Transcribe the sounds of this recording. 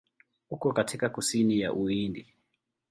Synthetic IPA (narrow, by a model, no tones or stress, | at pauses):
ukɔkatʰikakusinija̰ʔuindi